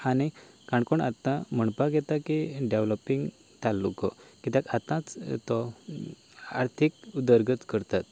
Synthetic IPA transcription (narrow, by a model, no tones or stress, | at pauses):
ani | kãɳkɔɳa̰t̪ːãm̤əɳpaɡɛt̪akiɖeʋlɔpiŋɡ | t̪alːṵkɔkit̪akat̪ãt͡st̪ɔ | a̰ɾt̪ʰikud̪əɾɡət̪kəɾt̪at̪